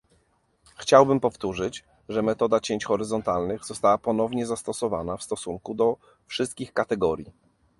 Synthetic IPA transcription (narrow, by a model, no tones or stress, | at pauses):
xt͡ɕawbɘmpɔft̪uʐɘt͡ɕ | ʐɛmɛt̪ɔd̪at͡ɕeɲt͡ɕxɔɾɘzɔnt̪alnɘɣzɔst̪awapɔn̪ɔvɲɛzast̪ɔsɔva̰nafst̪ɔsuŋkud̪ɔ | fʂɘst̪kʲixkat̪ɛɡɔɾʲji